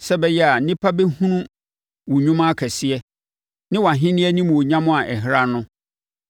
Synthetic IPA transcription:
sɛ˦bɛ˦jɛ˦a˨nɪ̃˦pʰa˦be˦hũ˦nũ˦ | wʊ˨ɲũ˦mã˦kʰɛ˨sɪ˦ɛ˦ | nɪ̃˦wa˨ɦɪ̃˦nɪ̃˦ɛ˦nĩ˦m̃˨o˨ɲã˦mʊ̃˦a˨ʔɛ˨ɦɾa˦nʊ̃˦

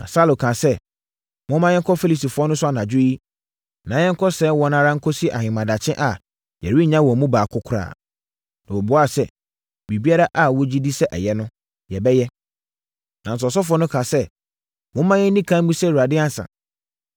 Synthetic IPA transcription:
nã̰˨sa˦lʊ̃˨kʰã˨sɛ˦ | mʊ̃˦mã˦jɛ˦kʰɔ˦fe˦li˨si˨fʊ˨˦ɔ˦nʊ̃˦sʊ˦a˨nã˨d͡ʑʊ˦ji˦ | nã˨˦jɛ̃˦ŋ̩˦kʰɔ˦sɛ˦wɔ˨nã˦ɾã˦ŋ̩˦kʰɔ˦si˦ʔa̰˨hɪ̃˨mã˨da˨t͡ɕʰɪ̃˦ʔa˨ | jɛ˨ɾi˦˨ɲã˦wɔ˨mũ˦baː˨kʰʊ˦kʰʊ˦ɾa̰ː˨ | nã˨wɔ˨bʊ˨˦a˦˨sɛ˦ | bi˨bi˦a˦ɾa˦ʔa˦wɔ˦d͡ʑi˦di˦sɛ˦ʔɛ̰˨jɛ˦nʊ̃˦ | jɛ˨bɛ˦jɛ˦ | nã˨n̩˨s̬ɔ˨s̬ɔ˦fʊ˨ɔ˦nʊ̃˦kʰã˨sɛ˦ | mʊ̃˦mã˦jɛ˦nĩ˦kʰã˦m̩˦bũ˦sɛ˦˨wu˨ɾa˨dɪ˦a˦n˨sã̰˨

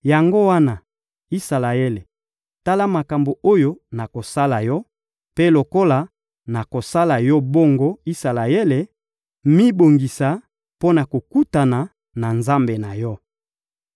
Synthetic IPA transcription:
ja˨ŋɡo˦wa˦na˨ | i˦sa˨la˨e˦le˨ | ta˦la˦ma˨ka˨mbo˨o˦jo˦na˨ko˨sa˦la˨jɔ˦ | pe˦lo˨ko˦la˨ | na˨ko˨sa˦la˨jɔ˦bo˦ŋɡo˦i˦sa˨la˨e˦le˨ | mi˦bo˨ŋɡi˨sa˨ | po˦na˨ko˨ku˦ta˨na˨ | na˨nza˦mbe˨na˨jɔ˦

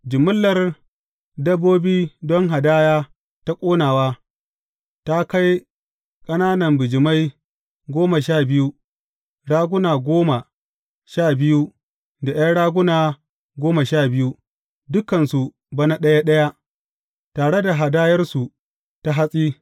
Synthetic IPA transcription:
d͡ʒɪ˨mʊ˦lːɐ˨r | dɐ˦bːoː˦biː˦dɔ˦ŋɦa˨daː˦jaː˦ | ta˦kʷʼoː˦naː˨waː˦ | ta˦ka˦j | kʼɐ˦naː˦nɐ˨mbɪ˨d͡ʒɪ˨ma˦j | ɡʷoː˦ma˨ʃaː˦˨bɪ˦ju˦ | ɽaː˦ɡʷʊ˦naː˨ɡʷoː˦ma˨ | ʃaː˦˨bɪ˦ju˦ | da˨j̰a˦ɽaː˦ɡʷʊ˦naː˨ | ɡʷoː˦ma˨ʃaː˦˨bɪ˦ju˦ | dʊ˦kɐ˨nsu˨ | bɐ˦na˦ɗɐ˦ja˦ɗɐ˦ja˦ | taː˨ɽe˦da˨ɦa˨daː˦jɐ˦rsu˨ | ta˦ɦa˦sʼiː˦

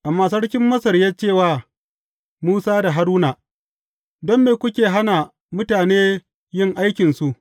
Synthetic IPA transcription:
ʔa˨mːaː˨sɐ˦ɽkʲɪ˦mːɐ˦sɐ˨rjaː˦t͡ʃeː˦˨waː˦ | muː˦saː˦da˨ɦa˦ɾuː˦naː˨ | dɔ˦mːeː˨kʷʊ˦kʲeː˨ɦa˦na˨ | mʊ˦taː˨neː˦ | jɪ˦˨ŋʔa˦jkʲɪ˨nsu˨ʔ

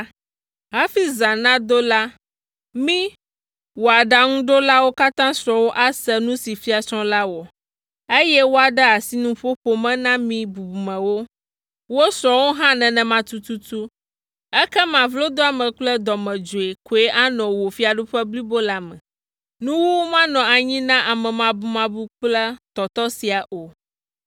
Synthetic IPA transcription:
ɦa˦fi˦zã˨nã˦d̪o˦la˦ | mĩ˦ | wo˨a˨ɖa˨ŋũ˦ɖo˦la˦wo˦ka˦t̪ã˦sɾɔ̃˨wo˦ʔa˦sɛ˦nũ˦si˨fi˦a˨t͡ʃɔ̃˦la˦wo˨ | e˦jɛ˦wo˦a˨ɖɛ˦a˨si˦nũ˦ɸo˦ɸo˦mɛ̃˦nã˦mĩ˦bu˨bu˨mɛ̃˨wo˦ | wo˦sɾɔ̃˨wo˦ɦã˦nɛ̃˨nɛ̃˨mã˦t̪u˦tu˦t̪u˦ | ɛ˦kɛ˦mã˨vlo˦d̪o˦a˨mɛ̃˨k͡plɛ˦d̪ɔ˨mɛ̃˨d͡ʒo˨e˨ko˨e˦ʔa˦nɔ̃˨wo˨fi˦a˨ɖu˦ɸɛ˦bli˦bo˦la˨mɛ̰̃˨ | nũ˦wu˦mã˦nɔ̃˨a˨ɲĩ˦nã˦ʔa˨mɛ̃˨mã˨bu˨mã˦bu˦k͡plɛ˦t̪ɔ˨t̪ɔ˦si˨a˨ʔo˨

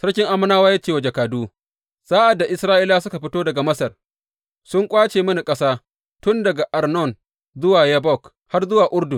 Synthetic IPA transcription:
sɐ˦ɽkʲɪ˦ŋʔa˦mɐ˦naː˦waː˦jaː˦t͡ʃeː˦˨wa˨d͡ʒɐ˨kaː˨duː˦ | z̥aː˦ʔa˨dːa˨ʔɪ˨˦sɾaː˦ʔi˦laː˦sʊ˦ka˨ɸɪ˦toː˦dɐ˨ɡa˨mɐ˦sɐ˨r | sʊ˦ŋkʷʼaː˦t͡ʃeː˨mɐ˦ni˨kʼɐ˦saː˦ | tʊ˦ndɐ˨ɡa˨ʔa˨rnɔ˦˨n | zʊ˦waː˨ja˦bɔ˦˨k | ha˦rzʊ˦waː˨ʔʊ˦ɽdʊ˨

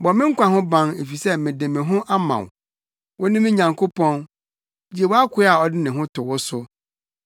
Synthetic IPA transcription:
bɔ˨mɪ̃˦ŋ̩˦kʷã˨ɦʊ̃˦bã˦ne˨fi˨sɛ˦mɪ̃˨dɪ̃˨mɪ̃˨ɦʊ̃˦ʔa˦mã̰˨w | wɔ˦nɪ̃˦mɪ̃˦ɲã˨ŋkʰo˦pʰɔ̃˦n | d͡ʑi˦e˨wɔ˦a˦kʰʷʊ˦a˨ɔ˨dɪ˦nɪ̃˨ɦʊ̃˦tʰʊ˨wʊ˦sʊ˦

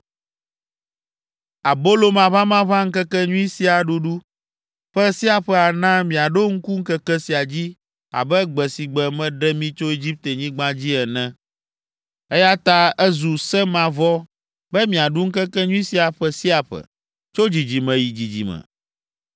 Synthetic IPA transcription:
a˨bo˦lo˦mã˨βa˦mã˦βa˦ŋ̩˦kɛ˦kɛ˦ɲũ˦i˦si˦a˨ɖu˦ɖu˦ | ɸɛ˦si˦a˨ɸɛ˦a˨nã˦mĩ˨a˨ɖo˦ŋ̩˦ku˦ŋ̩˦kɛ˦kɛ˦si˨a˨d͡ʑi˦ | a̰˨bɛ˦ɡ͡bɛ˨si˨ɡ͡bɛ˨mɛ̃˦ɖɛ˦mĩ˦t͡ʃo˦i˦d͡ʑi˦p̚t̪e˨ɲĩ˦ɡ͡bã˦d͡ʑi˦ɛ˨nɛ̃˦ | ɛ˦ja˦t̪a˦ɛ˦zu˨sɛ˦mã˨vɔ˦ | bɛ˦mĩ˨a˨ɖu˦ŋ̩˦kɛ˦kɛ˦ɲũ˦i˦si˦a˨ɸɛ˦si˦a˨ɸɛ̰˨ | t͡ʃo˦d͡ʑi˨d͡ʑi˨mɛ̃˨ji˨d͡ʑi˨d͡ʑḭ˨mɛ̰̃˨

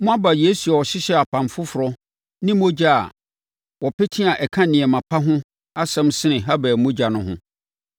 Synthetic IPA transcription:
mʊ̃˦a˦ba˨je˦su˨a˨ɔ˨ɕɪ˦ɕɛ˦a˨pʰã˨mfʊ˦fʊ˨ɾɔ˦ | nɪ̃˦mõ˦d͡ʑa˦a̰˨ | wɔ˨pɛ˦tʰĩ˦a˨ʔɛ˨kʰã˦nɪ̃˨ɛ˨mã˨pʰa˦ɦʊ̃˦ | a˦sɛ̃˦msɪ˦nɪ̃˨ɦa˦bæː˨mõ˦d͡ʑa˨nʊ̃˦ɦʊ̰̃˦

